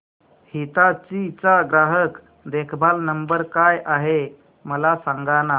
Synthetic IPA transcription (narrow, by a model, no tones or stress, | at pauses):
hit̪at͡ɕit͡saɡɾaɦək | d̪ekʰbʱalnəmbəɾkajʔaɦe | məlasaŋɡana